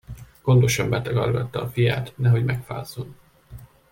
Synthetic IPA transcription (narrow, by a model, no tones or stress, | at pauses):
ɡ̥o̞nd̪o̞ʃɒmbɛt̪ɒɡɒ̰rɡɒt̪ːɒːfija̰ːt̪nɛɦo̞ɟmɛkfa̰ːzːon